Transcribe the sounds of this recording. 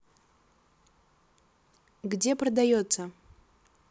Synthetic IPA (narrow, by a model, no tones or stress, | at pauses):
ɡdʲeprɐd̪ajot̪sɐ